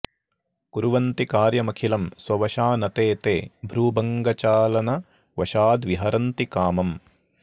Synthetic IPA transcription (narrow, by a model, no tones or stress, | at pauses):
kuɾuʋɐnt̪ikaːɾjɐmɐkʰilɐmswɐʋɐʃaːnɐt̪eːt̪ḛːbʱɾuːbɐŋɡɐt͡ʃaːlɐnɐ | ʋɐʃaːd̪ʋiɦɐɾɐnt̪ikaːmɐm